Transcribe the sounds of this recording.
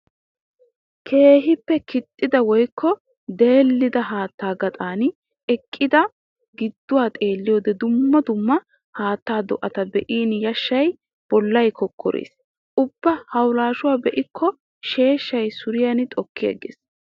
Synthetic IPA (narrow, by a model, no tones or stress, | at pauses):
kʰe̞ːɦɪpːɛkɪt̪ʼːɪd̪ɐwɔjkʰːɔ | d̪e̞ːlːɪd̪ɐɦaːt̪ːaːɡɐt̪ʼaːn | ʔɛkʼːɪd̪ɐ | ɡɪd̪ːʊwaːt̪ʼe̞ːlːɪjoːd̪ɛd̪ʊmːɐd̪ʊmːɐ | haːt̪ːaːd̪ɔ̰ʔɐt̪ɐbɛʔiːnjɐʃːɐj | b̥ɔlːɐjkɔkʰːɔ̰ɾḛːs | ʔʊb̥ːɐhɐwlaːʃʊwaːbɛʔɪkʰːɔ | ʃe̞ːʃːɐjsʊɾɪjɐnt̪ʼɔkːɪjɐ̰ɡḛːs